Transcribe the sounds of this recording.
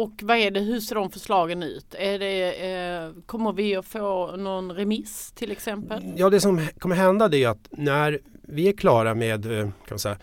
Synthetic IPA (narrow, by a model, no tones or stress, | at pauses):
ɔkːvaæɖɛɦɵʂeːɖɔmfœʂlɑːɡənʉ̟̰ːt̪æɖɛ | kʰɔmːəɾvɪɔfoːnɔnɾɛmɪst̪ʰɪlɛksɛmpəljɑːd̪ɛsɔmkʰɔmːəɾɦɛnd̪ad̪ɛæjɵat̪næɾvɪæɾkʰlɑːɾameːd̪kʰanɪnsɛjːa